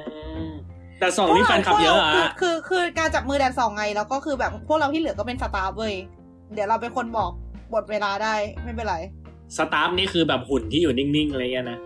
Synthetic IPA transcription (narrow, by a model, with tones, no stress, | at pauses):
ɯ˧ɯ˧ | t̪ɛː˨˩sɔː˨˦t̪i˦˥fa˧nkʰa˨˩ja˦˧˦waː˨˦˧kʰɯː˧kʰɯː˧kaː˧nt͡ɕa˨˩p̚mɯː˧dɛː˧nsɔː˨˩˦ŋːa˧jlɛː˦˥wkɔː˥˩kʰɯː˧bɛː˨˩p̚pʰːu˥˩ək̚a˧wt̪ʰiː˥˩ɯ˨˦kɔː˥˩pe˧nsa˧t̪aː˦˥p̚lɤː˧˩j | dɯ˩˦wɾa˧wp̬e˧nkʰo˧nbɔː˨˩k̚bo˨˩t̪̚weː˧laː˧daː˥˩jma˥˩jpa˧˩ɾa˧j | sa˧t̪aː˦˥p̚niː˥˩kʰɯː˧bɛː˨˩p̚hu˨˩˦nt̪ʰiː˥˩juː˨˩ni˥˩ŋni˥˩ŋʔɾa˧ŋi˦˥ɐ˨na˦˥ʔ